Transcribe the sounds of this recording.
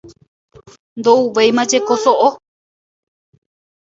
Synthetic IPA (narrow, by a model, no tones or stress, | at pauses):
nd̪ouʋejmãd͡ʒe̞kosoʔo